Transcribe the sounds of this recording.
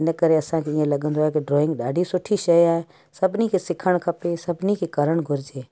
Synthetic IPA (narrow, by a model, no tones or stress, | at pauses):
ɪnəkəɾeɐsãkʰeɪ̃ẽlɐɠə̃nd̪oaekeɖɾoːɪ̃ŋɡɗaːɖʱisʊʈʰiʃɐjaːe | sɐbʱnikʰesɪkʰəɽ̃kʰɐpesɐbʱnikʰekɐɾəɽ̃ɡʱʊɾɪd͡ʒeː